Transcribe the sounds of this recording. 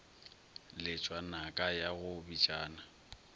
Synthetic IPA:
lɪt͡ʃʼwanakʼajaɣʊbit͡ʃʼaːna

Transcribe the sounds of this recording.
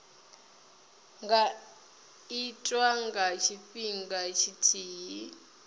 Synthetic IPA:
ŋɡa | itʼwaŋɡat͡ʃʰiɸiŋɡat͡ʃʰitʰiːɦi

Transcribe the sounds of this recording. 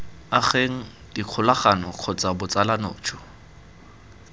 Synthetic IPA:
aχeŋ̩diq͡χʰʊlaχanɔq͡χʰɔt͡sʼabʊt͡salanoːt͡ʃʰʊ

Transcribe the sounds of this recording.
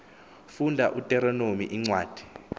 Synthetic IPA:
fundʱaʔutʼɛɾɔnomiʔiŋ͡ǀwaːd̥ʱi̥

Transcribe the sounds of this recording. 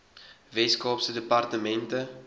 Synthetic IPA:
vɛskɔːpsədəpɐrtəmɛntə

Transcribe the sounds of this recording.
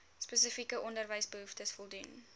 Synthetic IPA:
spəsəfikəʔɔndərvəjsbəɦuftəsfɔlˠdun

